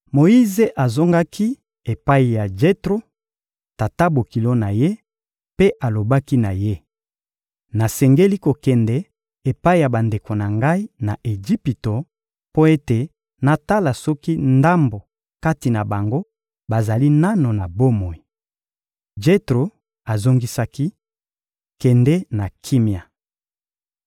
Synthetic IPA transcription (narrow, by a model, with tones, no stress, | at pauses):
mo˨i˦ze˨ʔa˨zo˦ŋɡa˦kʰi˦ | e˨pa˦i˨ja˨d͡ʒe˦tʁo˦ | ta˨ta˦bo˨ki˨lo˦na˨je˦ | pe˦ʔa˨lo˨ba˦ki˦na˨je˦ | na˨sɛ˨ŋɡe˦li˦ko˨kɛ˨ndɛ˨ | e˨pa˦i˨ja˨ba˨nde˨ko˨na˨ŋɡa˦i˦na˨ʔe˨d͡ʒi˦pi˨to˨ | po˦e˦te˨ | na˨ta˦la˨sɔ˦ki˦nda˦mbo˨ | ka˦ti˨na˨ba˨ŋɡo˦ | ba˨za˨li˦na˦no˨na˨bo˦mo˨i˨ | d͡ʒe˦tʁo˨ | a˨zo˦ŋɡi˦sa˦ki˦ | kɛ˨ndɛ˦na˨kʰi˦mi˨a˨